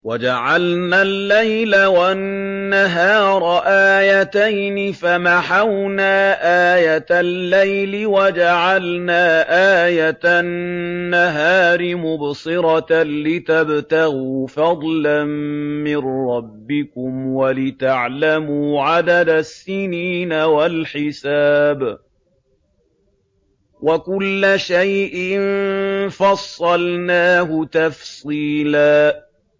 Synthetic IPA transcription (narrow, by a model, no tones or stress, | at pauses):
wad͡ʒaʕalnalːajlawanːaɦɑːɾˤɑʔaːjat̪ajnɪfamaħawnaːʔaːjat̪alːajlɪwad͡ʒaʕalnaːʔaːjat̪aː | aɦaːɾɪmʊbsɨɾɑlɪt̪abt̪aɣuːfɑd̪ˤlamːɪnɾˤɑbːɪkʊmwalɪt̪aʕlamuːʕad̪ad̪asːɪniːnawalħɪsaːb | wakʊlːaʃajʔɪnfɑsˤːɑlnaːɦʊt̪ɑfsˤiːlaː